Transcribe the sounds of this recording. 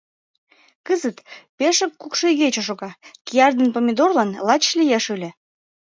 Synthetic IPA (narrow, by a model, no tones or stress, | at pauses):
kəzət̪peʃəkːukʃeɣet͡ɕoʃ̬oɣɑkijɑrd̪ənpomʲed̪orlɑnlɑt͡ɕlijeʃølʲe